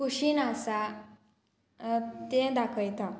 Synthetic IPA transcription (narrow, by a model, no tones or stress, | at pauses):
kuɕinasa | t̪ẽd̪akʰəjt̪ʰa